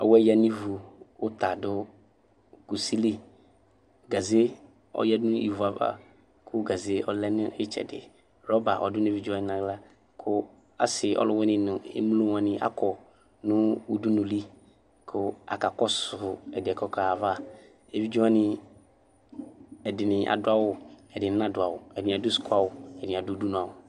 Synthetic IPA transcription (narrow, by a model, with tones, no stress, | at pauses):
ɔ˨wɛ˦ja˦˨nĩ˦vu˨ʊ˦t̪a˨dʊ˦ | ku˨si˦li˦ | ɡa˨ze˦ | ɔ̰˦jɛ˦dʊ̃˦ḭ˨vu˨a˨va̰˨ | kʰʊ˦ɡa˨ze˦ɔ˨lɛ˦nʊ̃˦ɪ˦t͡ʃɛ̰˨dɪ̰˨ | ɾɔ˦ba˨ʔɔ˨dʊ˦n˦e˦˨vi˦d͡ʒu˦a˦nɪ˨nã˨ɡla˦ | kʰʊ˦ | a̰˨sɪ˨ʔɔ̰˦lʊ˦wɛ˦nɪ̃˨nʊ̃˨ḛ˦m˦lo˦wã˨nɪ̃˨ʔa̰˦kɔ˨ | nʊ̃˦u˨du˦nʊ̃˨li˦ | kʰʊ˦a̰˨ka˨kɔ˦sʊ˨ʊ˨ɛ˨dɪ˨ɛ˨kɔ˦ka˨va˦ | e˨vi˦d͡ʒu˦ã˦nɪ̃˨ | ɛ˨dɪ˨nɪ̃˨ʔa̰˨dʊ˦a˦wʊ˨ɛ˨dɪ˨n˨˦nã˦dʊ˨a˨wʊ˨ɛ˨da˨dʊ˦sʊ̥˨kʰʊ˦a˦wʊ˨ɛ˨da˨dʊ˦u˦du˦nũ˨a˨wʊ˨